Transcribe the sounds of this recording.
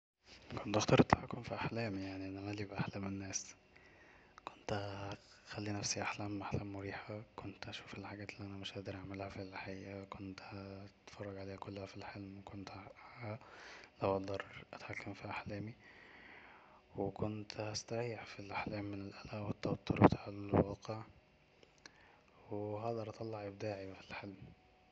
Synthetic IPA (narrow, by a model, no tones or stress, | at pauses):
kont̪ʔɑxt̪ɑɾˤʔt̪ːħakːomfiʔaħlæːmijaʕniʔænæmæliːbʔaħlæːmenːæːs | kont̪ | xælːinæfsiʔaħlæːmʔaħlæːmːoɾiːħækont̪ʔæʃuːfelħaɡæːt̪elːiʔænæmeʃʔæʔd̪iɾˤʔaʕmelhæfilːħejːækont̪hæt̪fɑrˤːɑɡʕaleːhækolːohæfilħelmwekʰont̪haælæwʔɑt̪d̪ɑɾˤʔæt̪ħakːæmfiːʔaħlæːmi | wekont̪hæst̪æɾijːeħfilʔaħlæːmːenelʔælæʔwet̪ːɑwɑt̪ˤːoɾbet̪ḁːʕelwɑːqeʕ | wweɦɑd̪ˤɑɾˤʔɑt̪ˤɑlːɑʕʔebd̪aːʕifilħelm